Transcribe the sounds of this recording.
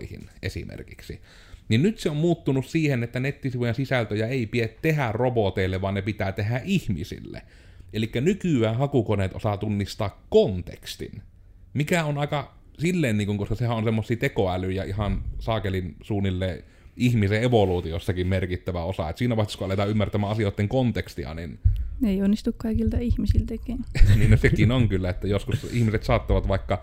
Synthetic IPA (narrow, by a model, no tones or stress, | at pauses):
ihḭnʔḛsḭmḛrkiksi | ninnyt̪seommuːt̪ːunussiːhenet̪ːænet̪ːisiʋujensisælt̪øjɑeˑipiet̪t̪ehærrobot̪eˑilːeʋʋɑnnepit̪æːt̪eɦæʔihmḭsḭlːḛ | elikːænykyˑæːhɑkukoneːt̪o̰sɑt̪unːist̪ɑːkkont̪ḛkst̪ḭn | mikæonɑˑekɑ | silːeːnniːŋkuŋkoskɑsehæʔʔonsemːosːˑiːt̪ekoælyjɑihɑnsɑːkelinsuːnilːeː | ʔihmiseʔeʋoluːt̪iosːɑkimmerkit̪ːæʋæosɑ̰ḛt̪siːnæpɑˑst̪iskuʔɑlet̪ɑːymːært̪æmæːʔɑsioˑet̪ːeŋkont̪ekst̪iɑ̰ninneionːist̪ukkɑˑikilt̪ɑihmisilt̪ekinniːnnosekinoŋkylːæet̪ːæjoskusihmiset̪sɑːt̪ːoʋɑt̪ʋɑˑikːɑ